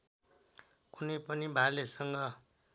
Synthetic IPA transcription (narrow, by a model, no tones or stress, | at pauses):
kunʌpʌnibʱalesʌŋɡʌ